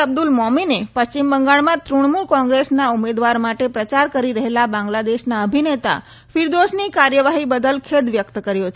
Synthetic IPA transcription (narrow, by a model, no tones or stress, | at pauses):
əb̚d̪ulmɔminepəst͡ɕimbəŋɡaɭmãt̪ɾuɳ̃muɭkɔ̃ŋɡɾesnaumed̪ʋaɾmaʈepɾət͡ʃaɾkəɾiɾəɦelabãŋɡlad̪eʃnaəbʱinet̪a̰ | fiɾd̪oʃnikaɾjəʋaɦibəd̪əlkʰed̪ʋjəkt̪kəɾjo